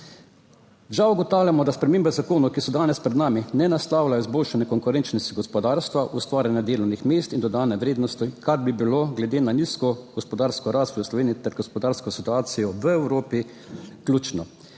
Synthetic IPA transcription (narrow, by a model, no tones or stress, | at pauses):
ʒawuɡɔt̪aːwljamɔd̪aspɾɛmeːmbɛzakoːnɔkisɔd̪aːnɛspɾɛd̪naːminɛnast̪aːwlajɔizboːlʃanɛkɔŋkʊɾɛnt͡ʃnɔst̪iɡɔspɔd̪aːɾst̪ʋaʔust̪ʋaːɾjanjad̪eːlɔwnixmeːst̪ind̪ɔd̪aːnɛʋɾeːd̪nɔst̪ikaɾbibiloɡlɛd̪eːnaniːskɔɡ̥ɔspɔd̪aːɾskɔɾaːst̪ʋɔjslɔʋeːniit̪ɛɾɡɔspɔd̪aːɾskɔsit̪uaːsijɔʋəɛwɾoːpi | klʲuːt͡ʃnɔ